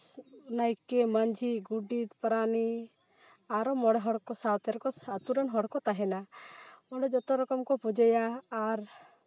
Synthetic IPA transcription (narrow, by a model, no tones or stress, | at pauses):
najkemand͡ʒʱiɡuɖit̪pɾani | aɾɔmɔɽɛɦɔɽkɔsat̪ɛɾkɔsat̪uɾanɦɔɽkɔt̪aɦɛna | ɔɽɔd͡ʒɔt̪ɔɾɔkɔmkɔpɔd͡ʒajaːɾ